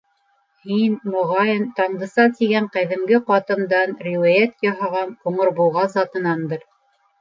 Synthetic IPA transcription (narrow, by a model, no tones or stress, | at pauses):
hinmŏʁɑjɤnt̪ɑɴd̪ɤ̆sɑt̪iɡæɴqæðɘ̆mɡɘqɑt̪ɤ̆md̪ɑnɾʲiwæjæt̪jɑɦɑʁɑnuɴɤ̆ɾbulˠʁɑzɑt̪ɤ̆nɑnd̪ɤɾ